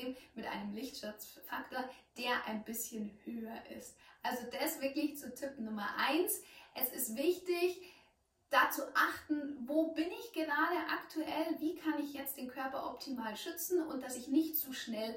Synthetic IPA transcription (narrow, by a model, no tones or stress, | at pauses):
mmɪtʔa̰ɪnəmlɪçtʃʊt͡sfaktoːɐd̥eːɐʔa̰ɪnbɪsçənhøːɐʔɪ̰stʔalzodasv̥ɪɐklɪçt͡sutʰɪp̩nʊmɐʔaɪnsʔɛsɪstv̥ɪçtɪç | d̥aːt͡suʔaχtn̩voːbɪnɪçɡ̥əʁaːdəʔaktʰuʔɛlviːkʰanɪçjɛt͡st̚d̥eːnkʰœɐpɐʔɔptʰimaːlʃʏt͡sn̩ʔʊnt̚d̥asɪçnɪçtt͡suːʃnɛl